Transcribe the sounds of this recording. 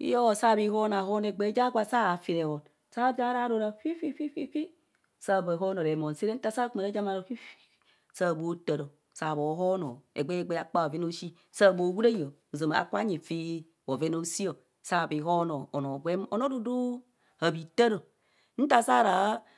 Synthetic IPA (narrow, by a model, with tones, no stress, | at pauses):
ḭ˦jo˦o˨sa˦˨bi˨ho˦n˨a˨ho˦n˨e˨ɡ͡be˦d͡ʒa˦ɡʷa˨sa˦a˨fi˨ɾe˨ho˨n | sa˦d͡ʒa˦ɾa˦˨˦ɾo˨ɾa˨fi˦fi˦fi˦fi˦fi˦ | sa˦˨ba˨ɦo˦no˨ɾe˨mo˨n˨si˦ɾe˦n̩˦ta˦sa˦kma˨ɾa˦d͡ʒa˦ma˨ɾo˨fi˦fi˦ | sa˦˨bo˦ta˨ɾo˨ | sa˨bo˨˦ɦo˦no̰˨ḛ˨ɡ͡be˦e˦ɡ͡be˦a˦k͡pa˦˨o˨ve˦no˦ʃi˦ | sa˦˨bo˨wu˦ɾa˦jo˨o˨zo˨ma˨a̰˨kʷa˦ɲi˨fi˦ | o˨ve˦no˦si˦o˨ | sa˦˨bi˨ɦo˦no˨o˨no˨ɡʷe˦m˦o˨no˦du˦du˦ | a˨bi˨ta˦ɾo˨ | n̩˦ta˦sa˦˨ɾa˨˦